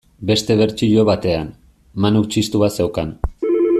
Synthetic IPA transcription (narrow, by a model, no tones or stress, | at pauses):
be̞st̪e̞β̞e̞ɾt͡ʃiʎoβat̪e̞an | manut͡ʃist̪uβase̞wkan